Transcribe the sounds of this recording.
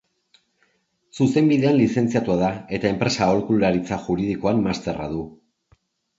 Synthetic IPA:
suse̞mbiðe̞anlise̞nt͡siat̪uaðae̞t̪ae̞mpɾe̞sao̞lkulːaɾit͡saʝuɾið̞iko̞amːast̪e̞ra̰ðu

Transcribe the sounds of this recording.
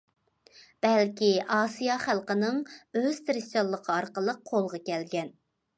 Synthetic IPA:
b̥ɛlkʲiʔɑːsijɑχælˠqənɨŋøz̥t̪ʰɾɪst̪olˠːəqʰəɑɾqəlˠəqʰːolˠʁɑkʲɛlɡʲɛn

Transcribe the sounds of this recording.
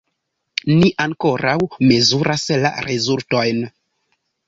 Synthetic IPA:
niʔaŋko̞ɾawme̞zuɾʔasla̰ɾʔezultojn

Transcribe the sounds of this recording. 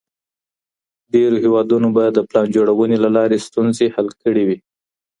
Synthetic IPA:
ɖeɾohewɑd̪unobad̪əplɑnd͡ʒoɽawənelalɑɾest̪unzehalkəɽiwi

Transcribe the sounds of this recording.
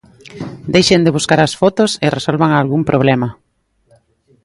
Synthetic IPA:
d̪ejʃend̪ɪβ̞uskaɾasfɔt̪oseresolβaŋalɣumpɾʔoβlɛmɐ

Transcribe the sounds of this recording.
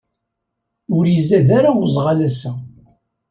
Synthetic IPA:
ʊɾjizæðaɾawəzˤʁalæsæ

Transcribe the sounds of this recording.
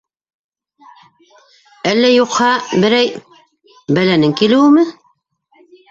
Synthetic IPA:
ælːæjuqhɑbɘ̆ɾæj | bælænɘŋkilɘ̆wɘmɘ

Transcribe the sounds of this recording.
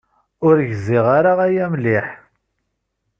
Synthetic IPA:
ʊɾʝziʁaɾaʁæjæmlɪħ

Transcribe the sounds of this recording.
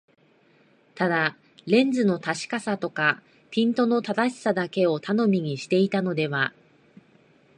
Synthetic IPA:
t̪ad̪a | ɾẽ̞nd͡zɨno̞t̪aɕi̥kasat̪o̞ka | pʲĩnt̪o̞no̞t̪ad̪aɕi̥sad̪ake̞o̞t̪ano̞mʲiɲ̟iɕi̥t̪e̞it̪ano̞d̪e̞βa

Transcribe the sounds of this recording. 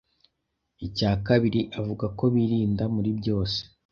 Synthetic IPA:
icaːkaβiɾiʔavuɡako̞βiːɾiːndamuɾibɟo̞ːse̥

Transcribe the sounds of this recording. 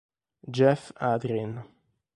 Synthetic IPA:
d͡ʒɛfad̪ɾin

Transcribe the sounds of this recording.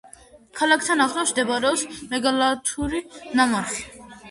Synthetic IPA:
kʰalakʰt̪ʰanaχlɔsd̪ɛbaɾɔsmɛɡalat̪ʰuɾinamasi̥

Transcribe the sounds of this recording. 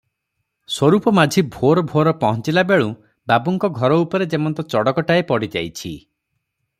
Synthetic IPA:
swɔɾupɔmad͡ʒʱibʱoɾɔbʱoɾɔpɔɦɔ̃nt͡ʃilabeɭu | babuŋkɔɡʱɔɾɔupɔɾed͡ʒemɔnt̪ɔt͡ʃɔɽɔkɔʈaepɔɽid͡ʒa̰jt͡ʃʰi

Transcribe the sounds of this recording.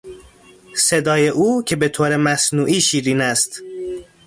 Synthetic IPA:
se̞d̪ɒːje̞ʔuːcʰe̞be̞t̪ʰoːɾemæsnuːʔiːʃiːɾiːnæst̪

